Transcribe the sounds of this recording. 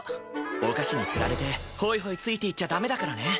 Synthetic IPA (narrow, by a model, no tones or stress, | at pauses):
oɡaɕiɲ̟it͡sɨɾaɾe̞t̪e̞ho̞ːiɦoit͡sɨit̪e̞it͡ɕːad̪ame̞d̪akaɾane̞